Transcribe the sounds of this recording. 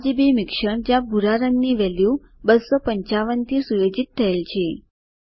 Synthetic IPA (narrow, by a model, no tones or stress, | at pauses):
d͡ʒibemɪkʃəɳd͡ʒabʱuɾaɾənːiʋɛlju | bəsːopəɲt͡ʃaʋənt̪ʰisujod͡ʒit̪ʰːəelt͡ʃʰe